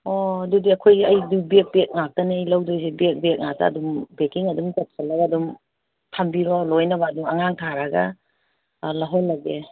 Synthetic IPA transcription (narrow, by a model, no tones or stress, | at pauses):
odudiɐkʰojɐjdubek̚bek̚ŋak̚tɐniɐjlawdojsebek̚bek̚ŋak̚ta̰ːdumbekiŋɐdumkat̚sʰalaɡaːdum | tʰambilɔlojnɐbaduŋɐ̰ŋaŋtʰaɾaɡɐ | laɦɔlːɐɡe